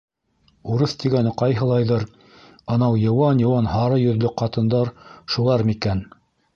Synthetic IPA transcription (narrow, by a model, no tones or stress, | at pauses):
uɾɤθt̪iɡænɘqɑjɦɤ̆lˠɑjðɤɾ | ɑnɑwjɤ̆wɑnjɤ̆wɑnhɑɾɤjɵ̆ðlɵqɑt̪ɤ̆nd̪ɑɾʃulˠɑɾmikæn